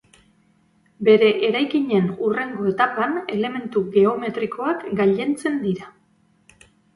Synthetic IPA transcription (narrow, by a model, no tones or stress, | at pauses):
be̞ɾe̞ʔeɾajkiɲe̞nure̞ŋɡo̞e̞t̪apane̞le̞me̞nt̪uɣe̞o̞me̞t̪ɾiko̞akɡaʎe̞nt͡se̞nd̪iɾa